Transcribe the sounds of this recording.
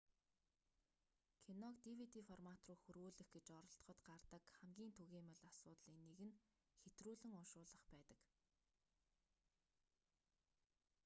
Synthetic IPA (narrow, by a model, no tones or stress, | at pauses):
kʰinɔkt̪iwit̪ifɔrmat̪rʊːxɵɾɣuːɮɘ̆xɡet͡ɕɔɾɞ̆ɬt̪χɞ̆t̪ɢart̪ə̆kχæmɡʲiːnt̪ʰɵɣeːmɵɮasʊːt̪ɮiːnːeɣɘ̆n | xet̪ruːɮɘ̆ŋɔʃʊːɮə̆χpæːt̪ə̆k